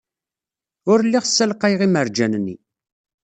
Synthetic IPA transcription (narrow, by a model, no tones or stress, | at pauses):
ʊɾlːiʁsːælqæjʁiməɾd͡ʒænnːḭ